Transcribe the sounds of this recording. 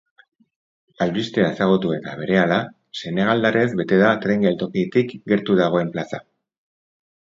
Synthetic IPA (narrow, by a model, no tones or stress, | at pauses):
alβist̪e̞aesaɣ̞ot̪ue̞na̰β̞e̞ɾe̞ala | se̞neɣ̞ald̪are̞zβe̞t̪e̞ðat̪ɾeŋɡelt̪o̞kit̪ikɡe̞ɾt̪uðaɣ̞o̞e̞mplasa